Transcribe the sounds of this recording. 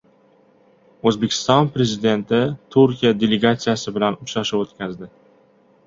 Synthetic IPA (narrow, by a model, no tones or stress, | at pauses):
ɵzbekʲʰɪ̥st̪ɒnpɾe̞zɪd̪e̞nt̪ʰɪt̪ʰuɾkʲijad̪e̞le̞ɡat̪sijasɪbɪlanʊaʃɪpot̪kʲʰazd̪ɪ